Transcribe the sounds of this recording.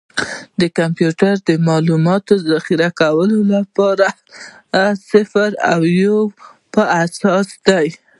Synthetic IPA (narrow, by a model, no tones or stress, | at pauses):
d̪əkampjuʈaɾd̪əmɑlumɑt̪ozaxiɾakawəlolapɑɾa | sɪfaɾa̰wjo | pəasɑsd̪aj